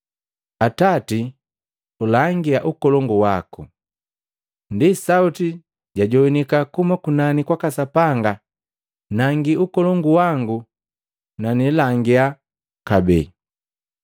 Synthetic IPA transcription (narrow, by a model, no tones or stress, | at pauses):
atati | ulaŋɡiaʔukɔlɔŋɡuwaku | ndisauti | ɟaɟɔwinikakumakunanikwakasapaŋɡa | naŋɡiukɔlɔŋɡuwaŋɡu | nanilaŋɡia | kabɛ̰